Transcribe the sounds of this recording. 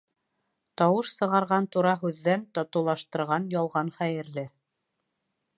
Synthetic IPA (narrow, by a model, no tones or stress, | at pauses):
t̪ɑwɤʃsɤ̆ʁɑɾʁɑnt̪uɾɑɦʉðːænt̪ɑt̪ɤ̆wlˠɑʃt̪ɤ̆ɾʁɑnjɑlˠʁɑnχæjɘ̆ɾlɘ